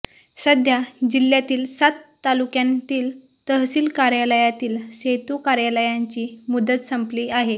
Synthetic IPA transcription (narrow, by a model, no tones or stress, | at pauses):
səd̪ʱjad͡ʑiljat̪iːlsat̪ːalukjãnt̪iːl | t̪əɦsiːlkaɾjaləjat̪iːlset̪ukaɾjaləjaɲt͡ɕiːmud̪ət̪səmpliːaɦe